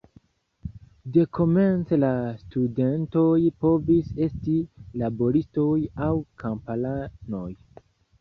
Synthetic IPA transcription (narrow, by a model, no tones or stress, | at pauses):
de̞kʰo̞me̞nt͡selastude̞nto̞jpo̞vise̞stilabo̞ɾisto̞jawkʰampalano̞j